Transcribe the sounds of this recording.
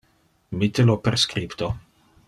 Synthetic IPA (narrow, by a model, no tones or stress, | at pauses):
mit̪ːeloperskɾipt̪o